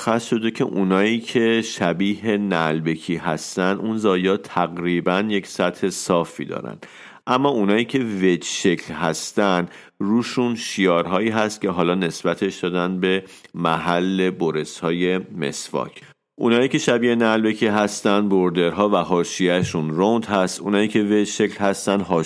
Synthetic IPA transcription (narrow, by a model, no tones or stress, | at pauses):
xæsʃo̞d̪e̞cʰe̞̰ʔunɒːiːcʰe̞ʃæbiːhe̞nælbe̞kʰiːɦæst̪ænd̪unzɒːjɒːt̪ʰæɣɾiːbænje̞csæt̪he̞sɒːfḭːd̪ɒ̰ːɾæ̰nd̪̥ | ʔæmːɒːunɒːiːcʰe̞ved͡ʒʃekʰlhæst̪ænd̪ | ruːʃunʃiɒːɾɦɒːiːɦæst̪̚cʲʰe̞ɦɒːlɒːne̞sb̥æt̪ʰe̞ʃd̪ɒːd̪ænd̪be̞mæɦælːe̞boɾe̞shɒːje̞me̞̰svɒ̰ːcʰ | ʔuːnhɒːjiːcʰe̞ʃæbiːenælbe̞cʰiːɦæst̪ænd̪boɾd̪e̞ɾɦɒːvæɦɒːʃijæʃunrond̪hæst̪ʔuːnɒːjiːcʰe̞ve̞d͡ʒʃe̞klhæst̪ænd̪ɦɒ